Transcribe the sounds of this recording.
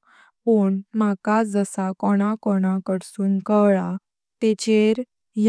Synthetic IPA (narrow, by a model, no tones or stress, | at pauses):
puːɳm̤akad͡zəsakɔɽ̃akɔɽ̃akəɽsuːnkəʋɭa | t̪et͡ɕeɾ | j